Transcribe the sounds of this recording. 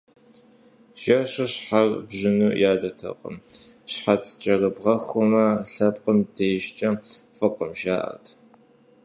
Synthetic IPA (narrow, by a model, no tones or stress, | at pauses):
ʒ̥ɐɕɐɕħarbʑɪnuːjaːdɐtʰɐ̰qʼə̰mɕħat͡sʰt͡ʃʼɐrɨbʁɐxʷɔmɐɬɐpʼqəmdejʃt͡ʃʼɐfɨqəmʒaːʔɐ̰rtʰ